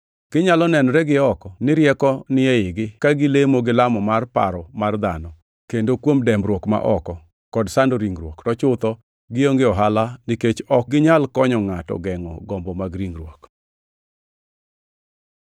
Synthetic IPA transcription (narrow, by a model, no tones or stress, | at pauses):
ɡ̥ɪɲalɔnɛnɾɛɡɪɔkɔnɪɾjɛkɔnɪɛɪɡɪkaɡɪlemoɡɪlamɔmarpa̰ɾɔmard̪anɔ | kendokwomdɛmbɾwɔkma̰ʔɔkɔ | kɔdsandoɾiŋɾwoktɔt͡ʃʊt̪ɔ | ɡɪoŋɡeɔɦalanɪket͡ʃɔk̚ɡɪɲalkɔɲɔŋatɔ̰ɡɛŋɔ̰ɡɔmbɔmaɡɾiŋɡrwok